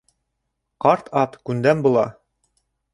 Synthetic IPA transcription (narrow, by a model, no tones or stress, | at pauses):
qɑɾt̪ʰɑt̪kʉnd̪æmbulˠɑ̰